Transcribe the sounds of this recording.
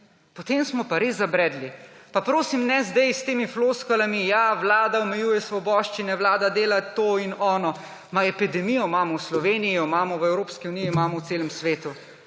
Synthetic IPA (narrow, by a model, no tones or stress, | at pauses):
pɔt̪eːmsmɔpaɾeːzːabɾɛːd̪lipapɾoːsimnɛzd̪ɛjst̪eːmifloskɔlamijaʋlaːd̪aɔmɛjuːjɛsʋɔbɔːʃt͡ʃinɛʋlaːd̪ad̪eːlat̪oːinɔːnɔ | maɛpid̪ɛmijɔmaːmɔwslɔʋeːnijiɔmaːmɔʋɛwɾoːpskiunijimaːmɔwseːlɛmsʋeːt̪u